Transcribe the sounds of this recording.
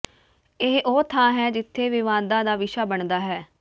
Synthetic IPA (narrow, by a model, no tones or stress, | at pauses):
ɪɦʔoːt̪ʰãːɦɛːd͡ʒɪt̪ʰːeːʋɪʋãːd̪ãːd̪aːʋɪʃaːbəɳd̪aːɦɛː